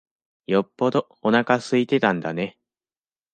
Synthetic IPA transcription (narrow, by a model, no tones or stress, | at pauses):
jo̞pːo̞d̪o̞ | onakasɨit̪e̞t̪ãnd̪ane̞